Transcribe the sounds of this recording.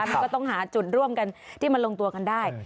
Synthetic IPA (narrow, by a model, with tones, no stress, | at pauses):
m˧kːɔː˥˩t̪ɔ˥˩ŋɦaː˩˦t͡ɕu˨˩t̪̚ɾu˥˩əmka˧nt̪ʰiː˥˩ma˧nlo˧ŋt̪u˧ɐka˧ndaː˥˩j